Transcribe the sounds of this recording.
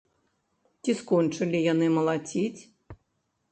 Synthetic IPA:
t͡sʲiskɔnt͡ʂɨlʲijanɨmɐlˠat͡sʲit͡sʲ

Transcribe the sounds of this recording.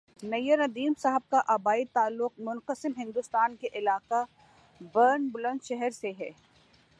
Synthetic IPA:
nɐjəɾɐd̪iːmsaɦəb̚kaʔɐbaːit̪aːlːʊq̚mʊnqəsɪmɦɪ̃nd̪ʊst̪aːnkeʔɪlaːqa | bɐɾnbʊlə̃nʃɛɦɛɾseɦɛː

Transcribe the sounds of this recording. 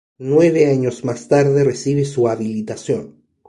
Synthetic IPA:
nwe̞βeaɲozmast̪aɾðe̞resiβesuaβilit̪asjon

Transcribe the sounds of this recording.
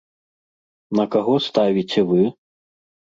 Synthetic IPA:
nɐkaɣɔst̪avʲit͡sʲɛvɨ

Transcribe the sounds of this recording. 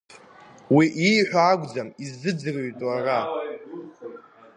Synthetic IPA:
wiʔijħᶣʷaːɡʷd͡zamizɨd͡zɨrɥtʼara

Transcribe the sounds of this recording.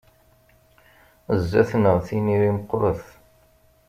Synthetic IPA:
zːæθnəʁθiniɾiməqːɾˤəθ

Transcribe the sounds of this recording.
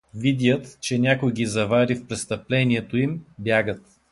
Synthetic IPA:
vid̪jət̪t͡ʃɛnʲakʊjɡizɐvaɾifpɾɛst̪əplɛniɛt̪oimbjaɡət̪

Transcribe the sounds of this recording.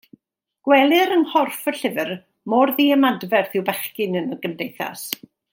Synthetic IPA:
ɡ̥wɛlˠɨɾənhɔrfəɬɪvɨr | mɔrðiːəmadvɛrθɪwbɛχkɨnənəɡəmdejθa̰s

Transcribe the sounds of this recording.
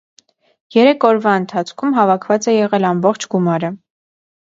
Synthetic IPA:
jɛɾɛkʰɔɾvɑənt̪ʰɑt͡sʰkʰumɦɑvɑkʰvɑt͡sɛjɛʁɛlɑmbɔχt͡ʃʰɡumɑɾə

